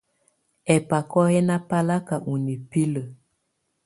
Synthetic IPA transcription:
ɛ˨pa˨kɔ˦hɛ˦na˦pa˦la˦ka˨ʔu˨ni˨pi˦lə˨

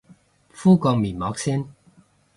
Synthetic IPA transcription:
fuː˥kɔ˧ŋmiː˨˩nmɔː˨˧˥k̚si˥n

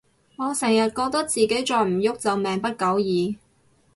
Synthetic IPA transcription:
ŋɔː˨˧sɛː˨˩ŋjɐ˨t̚kɔː˧k̚t̪ɐ˥k̚t͡siː˨ke˨˥jt͡ʃɔː˧jm̩˨˩jʊ˥k̚t͡sɐ˨wmɛː˨ŋpɐ˥t̚kɐ˨˥wjiː˨˧

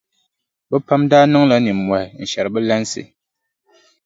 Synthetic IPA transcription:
bə˦pa˦mdaː˦nɔ˦ŋla˦ni˨mwɛ˨n̩˨ʃɛ˨ɾbɨ˦lɛ˦n˦sḭ˨

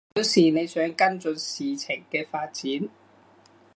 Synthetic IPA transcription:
i˨˥siː˨˩ne˨˧jsœː˨˥ŋkɐ˥nt͡ʃɵ˨˧nsiː˨t͡sʰɪ˨˩ŋkɛː˧faː˧t̚t͡siː˨˥n

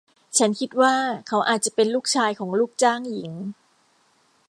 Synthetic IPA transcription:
t͡ɕʰa˦˥nkʰi˦˥t̪̚waː˥˩kʰa˦˥wʔaː˨˩t̪̚t͡ɕa˨˩pe˧nluː˥˩k̚t͡ɕʰaː˧jkʰɔː˩˦ŋluː˥˩k̚t͡ɕaː˥˩ŋji˩˦ŋ

